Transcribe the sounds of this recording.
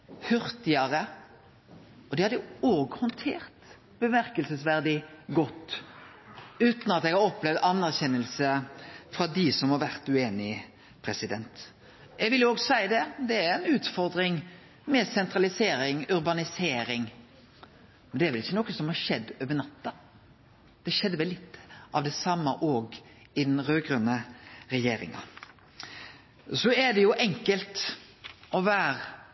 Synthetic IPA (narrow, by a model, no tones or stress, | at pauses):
hʉɾt̪ɪəɾə | ɔd̪ɛhɑd̪ɛoːɡhɔnt̪ʰeːɾt̪ | b̥əmæɾkəlsəsʋæɾd̪ɪɡɔt̪ː | ʉːt̪nɑt̪ɛɡhɑɾɔplɛʋd̪ɑnːæʁçɛnːəlsəfɾɑd̪ɪsɔmhɑɾʋæɾt̪ʉeːnɪ | pʰɾɛsɪd̪ɛnt̪ | jɛɡʋɪljʊoːɡsæɪd̪ɛd̪ɛæɾɛnʉːt̪fɔɾd̪ɾɪŋ | mɛsɛnt̪ɾɑlɪseːɾɪŋʉɾbɑnɪseːɾɪŋ | mɛnd̪ɛæɾʋɛlɪçːənɔkːəsɔmhɑʂɛd̪ːoːʋənɑt̪ːɑ | d̪̥ɛʃɛd̪ːəʋɛlːɪt̪ːʔɑʋd̪ɛsɑmːɑʔoːɡ | ɪd̪ɛnɾøːɡɾœnəɾɛjeːɾɪ̰ŋɑ̰ | sɔɛd̪ɛjʊʔɛŋkəlt̪ | ʔɔʋæːɾ